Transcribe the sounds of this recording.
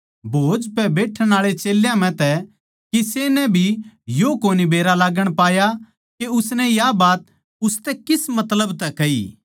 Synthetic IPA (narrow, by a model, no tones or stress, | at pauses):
bʱoːd͡ʒpɛbeːʈʰəɽ̃aːɭet͡ʃeːljãm̤ɛ̃t̪ɛ | kiseːnɛbʱijokoːnibeːɾalaːɡəɽ̃paːja | keʊsnɛjabaːt̪ | ʊst̪ɛkɪsmɐt̪ləbt̪ɛkɐḭː